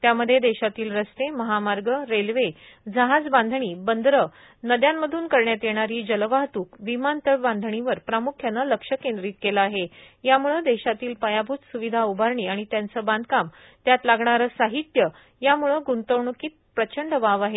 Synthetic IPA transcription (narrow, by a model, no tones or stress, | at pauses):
t̪jaməd̪ʱːjed̪eɕat̪iːlɾəst̪eməɦamaɾɡəɾelʋe | d͡zəɦad͡zband̪ʱɳiːbənd̪ʱɾə | nəd̪jamːəd̪ʱuːnkəɾɳjat̪jeɽ̃aɾiːd͡ʑəlʋaɦt̪uːkʋimant̪əɭbãnd̪ʱɳ̃iʋəɾpɾamukʰjanːaləkʂəkend̪ɾiːt̪̚kelaaɦe | jamuɭəd̪eɕat̪iːlpəjabʱuːt̪suʋid̪ʱaubʱaɾɳiːaɽ̃it̪jant͡səːband̪̚ʱkam | t̪jat̪laɡɳaɾəsaɦit̪jə | jamuɭəɡunt̪əwɳukiːt̪̚pɾət͡ɕəɳɖʋaʋaɦe